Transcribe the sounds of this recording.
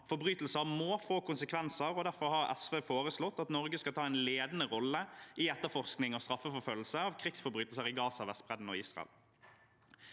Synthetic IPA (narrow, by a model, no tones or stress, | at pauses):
fɔɾbʁyːt̪l̩səʁmoːfoːkʊnsəkʰʋɛnsəɾɔd̪æʁfɔʁhɑʁɛ̰sʋeːfoːʁəslɔt̪ːɑt̪nɔʁɡəskɑlt̪ʰɑːɛɪnleːd̪ənəʁɔlːəʔɪɛt̪ːəʁfɔʁsknɪŋɔst̪ɾɑfːəfɔɾføːll̩səɑʋkʰʁɪksfɔɾbʁyːt̪lsəʁɪɡɑːsɑʋɛst̪bʁɛd̪n̩ɔiːsʁɑ̰ɛ̰l